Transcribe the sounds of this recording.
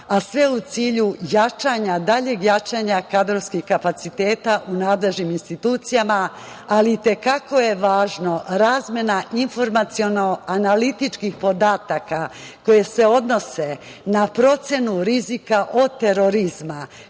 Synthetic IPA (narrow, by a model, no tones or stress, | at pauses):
asʋe̞ut̪siːʎujat͡ʃaːɲad̪aʎe̞ɡjat͡ʃaːɲakad̪ɾoʋskixkapat̪sit̪e̞ːt̪aʔunaːd̪le̞ʒniminst̪it̪uːt̪sijama | aliːt̪e̞kako̞je̞ʋaːʒno̞ɾaːzmje̞naʔinfo̞ɾmat̪sio̞no̞analit̪it͡ʃkixpo̞d̪aːt̪aka | ko̞je̞se̞o̞d̪no̞se̞ | napɾo̞t̪sje̞nuɾizikaʔo̞d̪̚t̪e̞ɾo̞ɾizma